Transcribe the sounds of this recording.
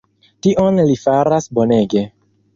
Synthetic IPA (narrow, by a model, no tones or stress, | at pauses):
tiʔo̞nlifaɾasbo̞ne̞ɡe̞